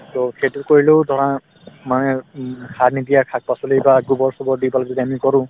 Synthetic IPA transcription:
tɔkʰejtukoɹilodʱɔɹã | manɛkʰadnidijakʰak̚pasɔlebaɡubɔɹsɔbɔɹdibalɡidɛamikɔɹʊ̃

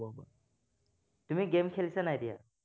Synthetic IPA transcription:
aba | tumiɡemkʰelisanajdija̰

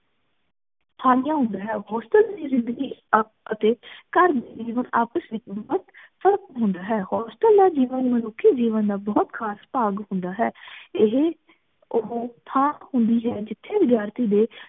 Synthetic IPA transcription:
t̪ʰaːlɪjãːɦʊ̃nd̪aːɦɛːɦɔːst̪əld̪iːzɪ̃nd̪əɡiː | ət̪eːkəɾd̪iːd͡ʒiːʋəna̰ːpəsʋɪt͡ʃbɔt̪ | fʰəɾəkɦʊ̃nd̪aːɦɛːhɔːsʈəld̪aːd͡ʒiːʋənmənʊkʰːiːd͡ʒiːʋənd̪aːbɔːt̪kʰaːspaːɡɦʊ̃nd̪aːɦɛːɪɦe | ʊɦt̪ʰãːhʊ̃nd̪iːɦɛːd͡ʒɪt̪ʰːeːʋɪd̪jaːɾt̪iːd̪eː

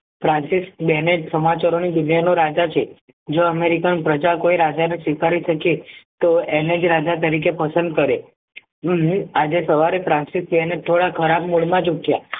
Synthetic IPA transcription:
fɾãnsisbɛned͡ʒsəmat͡ʃaɾonid̪unanoɾad͡ʒat͡ʃʰe | d͡ʒoəmeɾikanpɾəd͡ʒakoiɾad͡ʒanesʋikaɾiʃəket̪oened͡ʒɾad͡ʒat̪əɾik̬epəsənd̪̚kəɾe | ad͡ʒesəʋaɾefɾãnsis̚bɛnet̪ʰoɽakʰəɾabmuɭmãt͡ʃukja

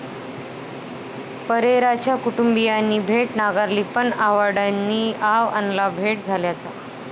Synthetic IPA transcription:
pəɾeɾat͡ɕjakuʈumbijanːiːbʱeʈnaɡaɾliːpəɳaʋaɽanːiːʔaʋa̰nlabʱeʈ̚d͡zʱaljat͡sa

